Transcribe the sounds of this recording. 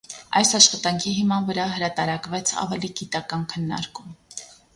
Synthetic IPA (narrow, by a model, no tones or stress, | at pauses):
ɑjsɑʃχɑt̪ɑŋkʰiɦimɑnvəɾɑɦəɾɑt̪ɑɾɑkvɛt͡sʰɑ̰vɛliɡit̪ɑkɑnkʰənːɑ̰ɾkum